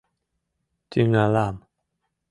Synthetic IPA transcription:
tiŋalam

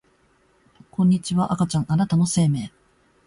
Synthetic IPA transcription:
kõ̞ɲ̟ːit͡ɕiβaʔakat͡ɕãŋ̃anat̪ano̞se̞ːme̞ː

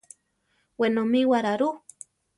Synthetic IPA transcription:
wenomĩwaɾaɾu

